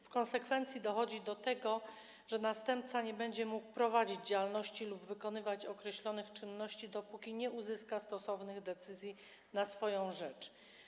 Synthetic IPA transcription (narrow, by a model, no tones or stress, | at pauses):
fkɔnsɛkfɛnt̪sʲjid̪ɔxɔd͡ʑid̪ɔt̪ɛɡɔ | ʐ̥ɛnast̪ɛmp̚t̪saɲɛbɛɲd͡ʑɛmuk̚pɾɔvad͡ʑid͡ʑd͡ʑawalnɔɕt͡ɕilubvɘkɔnɘvat͡ɕɔkɾɛɕlɔnɘxt͡ʂɘnːɔɕt͡ɕid̪ɔpukʲiɲɛʔuzɘskast̪ɔsɔvn̪ɘɣd̪ɛt̪sɘzʲji | nasfɔjɔ̃w̃ʐɛt͡ʂ